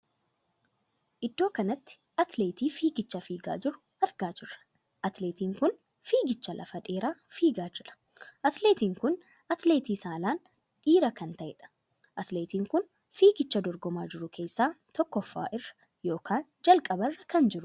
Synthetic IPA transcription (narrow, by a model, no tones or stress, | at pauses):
ʔɪd̪ːo̞ːkɐnɐt̪ːɪ̥ | ɐt̪leːt̪iːfiːɡɪt͡ʃːɐfiːɡa̰ːd͡ʒɪɾʊ̥ | ɐɾɡaːd͡ʒɪrːɐ̥ | ʔɐt̪leːt̪iːŋkʊn | fiːɡɪt͡ʃːɐlʔɐ̰fɐᶑ̪e̞ːɾaːfiːɡaːd͡ʒɪᶑɐ̥ | ʔɐt̪le̞ːt̪iːŋkʊn | ɐt̪le̞ːt̪iːsaːlaːn | ᶑiːɾɐkɐnt̪ɐʔɪᶑɐ̥ | ʔɐt̪le̞ːt̪iːŋkʊn | fiːɡɪt͡ʃːɐd̪ɔɾɡɔmaːd͡ʒɪɾʊkʰe̞ːsːaːt̪ɔkːɔfːa̰ːʔɪrːɐ̥ | jo̞ːkʰaːnd͡ʒɐlkʼɐbɐrːɐkɐnd͡ʒɪɾʊ̥